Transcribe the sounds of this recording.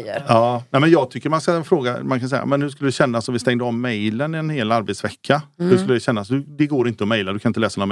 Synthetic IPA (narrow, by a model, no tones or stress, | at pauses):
ɑːnæɪmɛnjɑːɡt̪ʰʏkːəɾmanskaɛnfɾoːɡamankʰansɛja̰mɛnhʉʂkɵləd̪ɕɛnːasɔmvɪst̪ɛŋd̪əɔmːɛjlənɪɛnheːlaɾbet̪svɛkʰːahʉʂkɵlːəd̪ɛɕɛnːasd̪ɵd̪ɛɡoːɾɪnt̪əɔmɛjlad̪ɵkʰanɪt̪əlɛːsanɔːam